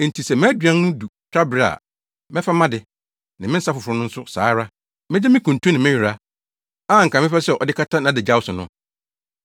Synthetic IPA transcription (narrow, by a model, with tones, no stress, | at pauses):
n̩˨tʰi˨sɛ˨mɪ̃˦dɥã˦n˦nʊ̃˦du˨tʰɾa˦bɪ˨ɾa̰˨ | mɛ̃˦fa˦mã˦dɪ˨ | nã˨mɪ̃˦n̩˦sa˦fʊ˨fʊ˨ɾʊ˨˦nʊ̃˦n̩˦sʊ˦saː˨˦ɾa˦ | mɪ̃˦d͡ʑɛ˦mɪ̃˦kʰũ˨ntʰũ˦nɪ̃˨mɪ̃˦ji˨ɾa˦ | a˦˨ŋ̩˨kʰã˨mɪ̃˦fa˦sɛ˨ʔɔ˨dɪ˦kʰa˦tʰã˦nã˨dɪ˨d͡ʑa˦wʊ˦sʊ˨nʊ̃˦